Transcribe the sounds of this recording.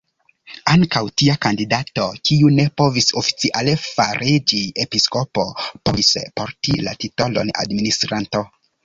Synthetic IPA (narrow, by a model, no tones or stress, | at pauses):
aŋkawtiakandidato̞kiune̞po̞viso̞fi̥t͡siʔalefaɾʔid͡ʒiepisko̞po̞poispo̞ɾtḭla̰tito̞lo̞̰na̰dministɾanto̞